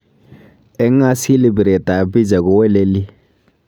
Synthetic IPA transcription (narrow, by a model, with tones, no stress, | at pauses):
ɛ˦ŋ˦a˦si˦lɪ˦˨bi˨ɾɛ˨ta˨bi˦d͡ʒa˨kʊ˨wɛ˦lɛ˦li˦